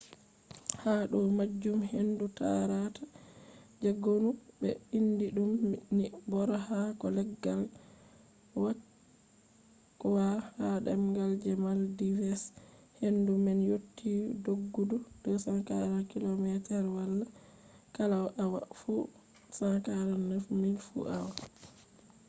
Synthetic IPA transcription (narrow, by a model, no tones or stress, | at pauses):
haɗɔmad͡ʒːumhenduta̰ɾatḁd͡ʒaɡonubɛ̰indiɗumnibɔɾahakɔlɛɡːal | wa | kːwahaɗɛmɡald͡ʒɛmaldivɛs | hendumɛnjotːidoɡːudud̥ɔsaŋkaɾakilomɛtɛɾwalːa | kalawʔawa̰fu | saŋkaɾanəfmilfṵʔawa